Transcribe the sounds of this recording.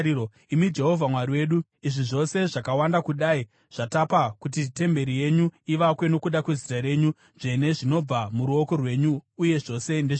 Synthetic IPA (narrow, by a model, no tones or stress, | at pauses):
imid͡ʒe̞ɦo̞vʱamwariwe̞ːɗu | iʐiʐo̞se̞ʐakawandakuɗai | ʐ̥atapakut̬ite̞mbe̞ɾije̞ɲuiʋakwe̞no̞kuɗakwe̞zitaɾe̞ɲu | ʐ̥e̞ne̞ʐino̞b͡vamuɾuo̞ko̞rwe̞ɲuːje̞ʐo̞se̞nde